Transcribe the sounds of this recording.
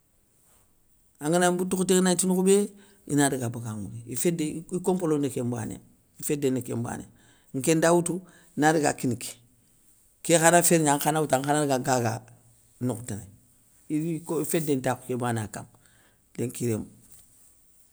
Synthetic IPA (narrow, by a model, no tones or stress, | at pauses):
aŋinabutukteknatinukube | ḭnadiɡabaɡaŋṵneifedeikompolondekemba̰nḭa̰ | ifedenekemba̰nḭa | ŋ̩kendawutu | inaɾiɡa̰kiniki̥ | kexanafeɾaŋxanawutaŋanaɾɡaɡaɡa | nuktinḛ | ikoifedentaku̥kebanaka̰m | deŋkiɾem